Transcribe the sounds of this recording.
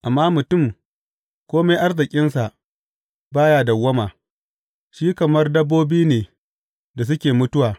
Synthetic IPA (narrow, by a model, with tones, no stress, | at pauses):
ʔa˨mːaː˦mʊ˨tʊ˦˨m | kʷoː˦ma˦jʔa˦rzɪ˨kʲʼɪ˦nsa˨ʔ | baː˦jaː˦˨dɐ˨wːɐ˦maː˨ | ʃiː˦kɐ˨mɐ˦rdɐ˦bːoː˦biː˦neː˨ | da˨s̬ʊ˦kʲeː˨mʊ˦tʊ˦waː˨